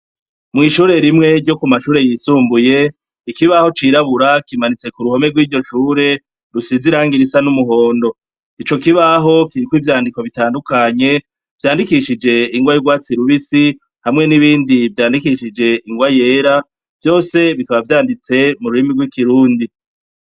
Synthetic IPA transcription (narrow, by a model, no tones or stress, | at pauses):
mŋiːʃuːɾe̞ɾimŋe̞ɾɟo̞kumaʃuːɾe̞jiːsuːmbuje̞ | ikiβaho̞t͡ʃiːɾaβuɾakimanit͡se̞kuɾuho̞meɡwiːɾɟo̞ʃuːɾe̞ | ɾusiziɾaːŋɡiɾisanumuɦo̞ːndo̞ | it͡ʃo̞kiβaɦo̞kiɾikwivjaːndikwoβitaːndukaɲe̞ | v̥jaːndikiʃid͡ʒe̞iŋɡwajiɡwaːt͡siɾuβisi | hamŋe̞niβiːndivjaːndikiʃid͡ʒe̞iŋɡwaje̞ːɾa | v̥jo̞ːse̞βikaβavjaːndit͡se̞muɾuɾimiɡwikiɾuːndi